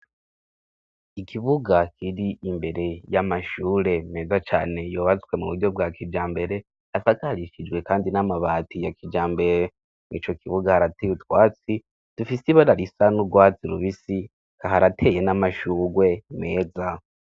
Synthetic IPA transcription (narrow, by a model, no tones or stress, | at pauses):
ikʰiβuɡakʰiɾiʔimbe̞ɾe̞jamaʃuːɾe̞me̞ːzat͡ʃaːne̞joːβat͡skwe̞muβuɾɟo̞b̚ɡakʰid͡ʒaːmbe̞ɾe̞ | asakaɾiʃid͡ʒɡwe̞kaːndinamaβaːtijakid͡ʒaːmbe̞ɾe | nḭːt͡ʃo̞kiβuɡahaɾatejutwaːt͡si | d̥ufisiβaɾaɾisanuɡwaːt͡siɾṵβisi | kaɦaɾatʰe̞je̞namaʃuːɡwe̞me̞ːd͡za